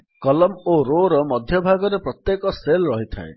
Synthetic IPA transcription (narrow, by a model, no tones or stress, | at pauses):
kʌlʌmoɾoɾɔmʌd̪ʱjɔbʱaɡɔɾeprɔt̪jekɔselɾʌɦit̪ʰa̰ḛ